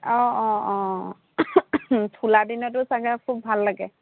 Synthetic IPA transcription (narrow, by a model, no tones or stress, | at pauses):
ɔ̃ɔ̃ɔ̃ | tʰuladinɔt̬ʊsaɡɛkʰubʱalːaɡɛ